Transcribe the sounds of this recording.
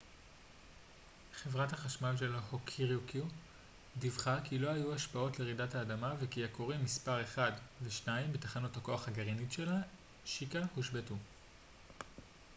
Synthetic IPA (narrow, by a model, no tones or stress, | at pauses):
χe̞vʁathaχaʃmalʃe̞lhokʰiʁjukʰju | divχakilo̞ajuaʃpao̞tleʁidataːdamavekijakoʁimːispaʁe̞χadveʃnaimbetaχanutako̞aχhaɡaʁinitʃe̞la | ʃikahuʃbetu